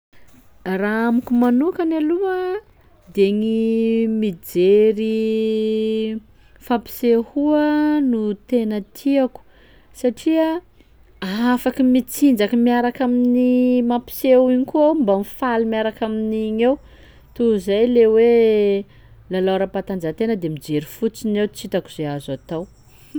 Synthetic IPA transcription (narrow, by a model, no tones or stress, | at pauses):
raamukumanukanaluə | d̪eŋimid͡zeɾi | fapi̥sehuənut̪enət̪ʰiaku̥ | saʈ͡ʂia | afakimit͡sind͡zakəmiaɾakaminimapi̥sewiɲikuawmbamifalimiaɾakaminiɲew | t̪uzajlewe | laloɾapat̪and͡zat̪enəd̪emid͡zeɾifut͡sinewt͡sit̪akuz̥eazat̪aw